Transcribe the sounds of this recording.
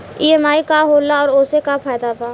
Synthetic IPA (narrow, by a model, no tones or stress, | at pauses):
iːɛmaːikaɦoːlaɔːɾoːsekapʰaːd̪apaː